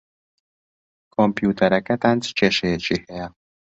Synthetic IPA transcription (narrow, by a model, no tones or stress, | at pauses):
kʰompjut̪ʰɐɾɐkɐt̪aːnt͡ʃʰɨ̥t͡ʃʰeʃɐjɛt͡ʃʰihɛjɛ